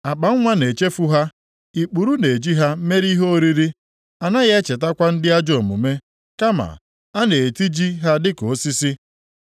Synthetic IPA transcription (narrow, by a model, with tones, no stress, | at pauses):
a˨k͡pa˨ŋ̩˦ŋʷa˦ne˨t͡ʃe˦fu˦ɦa˦ | i˨k͡pu˨ɾu˦ne˨d͡ʒi˦ɦa˦me˦ɾi˦ɦo˦o˦ɾi˦ɾi˦ | a˨na˦ɣe˦e˦t͡ʃe˨ta˦kʷa˦n̩˦dɪ˦a˦d͡ʒo˨mʊ̰˨me˦ | ka˦ma̰˨ | a˦ne˨e˨ti˦d͡ʒi˦ɦa˦dɪ˦ko˨˦si˦sɪ˦